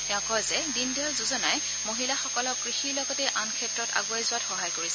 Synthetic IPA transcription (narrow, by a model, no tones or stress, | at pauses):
tɛɔ̃kɔɹzɛdindiɔlzuzɔnaj | moɦilaxɔkɔlɔkɹixiɹlɔɡɔtɛʔankʰɛtɹɔta̰ɡuajzʊatxɔɦajkoɹisɛ